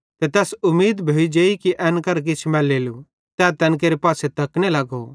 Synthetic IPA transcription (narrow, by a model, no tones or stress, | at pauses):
t̪et̪ɛːsʊmːiːd̪bʱoid͡ʒeːikiʔɛːnkɐɾk̬ɪt͡ʃʰmɛːlːeːlu | t̪ɛːt̪ɛ̃ːnk̬eːɾepaːset̪ɐkɽ̃elɐɡo̰